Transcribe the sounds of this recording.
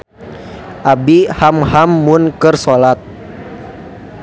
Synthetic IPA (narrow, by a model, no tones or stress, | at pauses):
ʔabihamhamːʊnkɨrsolat̪̚